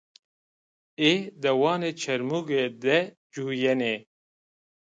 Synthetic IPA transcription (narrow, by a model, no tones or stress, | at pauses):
eːd̪ɐwɑːneːt͡ʃʰɛɾmuɡed̪ɛ | d͡ʒuːjɛneː